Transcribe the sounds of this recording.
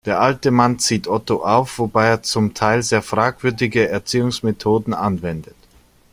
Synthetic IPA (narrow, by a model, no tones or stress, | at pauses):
d̥eːɐʔaltəmant͡siːtʰʔɔtoʔaʊfv̥obaɪeːɐt͡sʊmtʰaɪlzeːɐfʁ̥aːkv̥ʏɐdɪɡəɛɐt͡siːʊŋsmetʰoːdn̩anvɛndət